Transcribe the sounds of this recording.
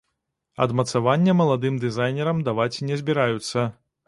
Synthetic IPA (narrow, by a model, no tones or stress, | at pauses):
ɐ̰d̪mɐt̪savanʲːɛmɐlˠad̪ɨmd̪ɨzajnʲɛɾɐmd̪avat͡sʲinʲɛzʲbʲiɾajut̪sːɐ